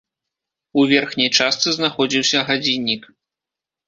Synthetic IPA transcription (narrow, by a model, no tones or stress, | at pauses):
uvʲɛrxnʲɐjt͡ʂast̪sɨznaxɔd͡zʲiwsʲɐɣad͡zʲinʲːik